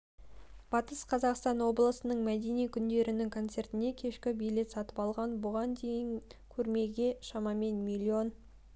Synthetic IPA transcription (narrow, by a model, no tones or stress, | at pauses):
b̥ɑt̪əsqʰɑzɑqst̪ɑnwo̞blˠəsənəɴmæd̪e̞nijkʲʰʏnd̪e̞ɾʔɪnɪŋkʰo̞nt̪se̞rt̪ɪne̞kʲʰe̞ʃkʲɪbijle̞t̪sɑt̪əpɑlˠʁɑnbʊʁɑnd̪e̞jɪŋkʲʰɵɾme̞ɡʲe̞ʃɑmɑme̞nmʲilʲːio̞n